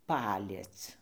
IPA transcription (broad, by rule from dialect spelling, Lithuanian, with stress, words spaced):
ˈpɑːlʲiɛt͡s